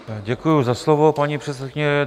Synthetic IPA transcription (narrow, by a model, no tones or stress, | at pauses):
ɟɛkujʊzaslovopaɲipr̥ɛt̪sɛt̪̚kɪɲɛ